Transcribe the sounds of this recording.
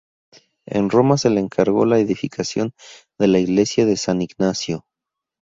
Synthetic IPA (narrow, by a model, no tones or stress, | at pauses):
e̞̰nro̞mase̞leːŋkʰaɾɣo̞̰laeðifikʰasjo̞n | d̪e̞laiɣle̞sjaðe̞saniɡnasjo̞